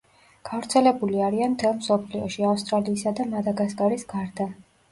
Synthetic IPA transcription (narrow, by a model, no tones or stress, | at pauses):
ɡ̥avɾt̪sʰɛlɛbuliaɾianmt̪ʰɛlˠmsɔpʰliɔʃiafst̪ʼɾaliːsad̪amad̪aɡaskʼaɾisɡaɾd̪a